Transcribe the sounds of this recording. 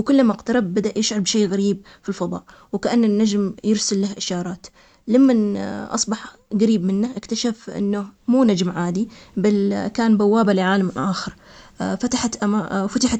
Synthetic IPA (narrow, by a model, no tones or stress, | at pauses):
wkʊlːamqt̪ɑɾˤɑbːad̪aʔjɪʃʕɑɾbʃeːɣaɾiːb̚ | filfɑðˤɑ̰ːʔ | wkaʔanːanːad͡ʒmjɪɾsalːahʔɪʃɑːɾˤɑːt̪ | lamːanʔɑ̰sˤbɑħ | ɡaɾiːbmɪnːaʔɪkt̪aʃafʔɪ̰nːʊmuːnad͡ʒmʕaːd̪ibalkaːnbawːaːbalɪʕaːlamʔaːxɑɾˤfat̪aħat̪ʔamafat̪aħa